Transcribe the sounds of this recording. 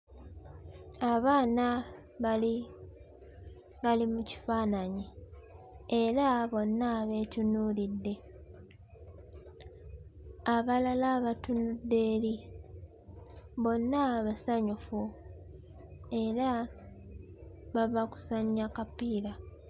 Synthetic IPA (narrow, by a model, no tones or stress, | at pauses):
aβaːna | i | βalimuci̥faːnaɲi | eɾaβo̞nːaβe̞ːcunuːlidːe̞ | aβalalaβatunudːe̞ːli | βo̞nːaβasaɲufu | e̞ɾa | βavaku̥saɲːakapiːla